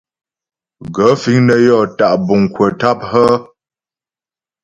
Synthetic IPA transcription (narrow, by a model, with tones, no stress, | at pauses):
ɡə˨˦fi˨˦ŋnə˦jɔ˦˨ta˨ʔbu˨ŋkwə˨ta˦p̚hə˦